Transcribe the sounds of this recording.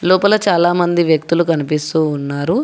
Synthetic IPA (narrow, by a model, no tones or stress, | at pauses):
lɔːpɐlɐt͡ʃaːlaːmɐnd̪iʋjɐk̚t̪ulukɐnipist̪uːnːaːɾu